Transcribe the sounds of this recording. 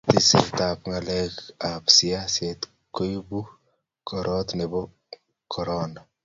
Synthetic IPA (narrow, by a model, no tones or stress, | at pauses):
t̪isḭlt̪apŋalɛkapsiaset̪ | koibu | kɔɾʔɔt̪nɛbɔ | kʰɔɾɔna